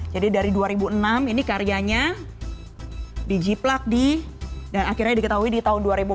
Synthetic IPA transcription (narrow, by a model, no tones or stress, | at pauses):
d͡ʒadidaɾiduaɾibuənaminikaɾiaɲa | did͡ʒiplak̚didanakirɾɲadikət̪aɦuidit̪aɦʊnduaɾibu